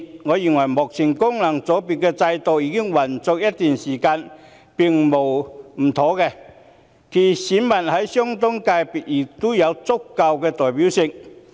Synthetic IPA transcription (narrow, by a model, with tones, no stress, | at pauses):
ŋɔː˨˧ji˨˩ŋwɐ˨˩jmɔː˨˩k̚t͡sʰɪ˨˩ŋkʊ˥ŋlɐ˨˩ŋt͡sɔ˨˥piː˨t̚kɛː˧t͡sɐ˧jt̪o˨wjiː˧kɪ˥ŋwɐ˨˩nt͡sɔː˧k̚jɐ˥t̚t̪yː˨nsiː˨˩kaː˧n | pɪ˨ŋmo˨˩wm̩˨˩t̪ʰo˨˥kɛ˧ | kʰiː˨˩siː˨˥nmɐ˨˩nhɐ˨˥jsœː˥ŋt̪ʊ˥ŋkaː˧jpi˨˩t̚jɪ˨˩k̚t̪ʊ˥jɐ˨˧wt͡sʊ˥kːɐ˧wkɛː˧t̪ɔː˨jpi˨˥wsɪ˨˧ŋ